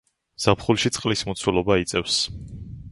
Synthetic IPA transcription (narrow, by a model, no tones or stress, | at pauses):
z̥apʰχulˠʃit̪sʼqʼlismɔt̪sʰulˠɔbait̪sʼɛfs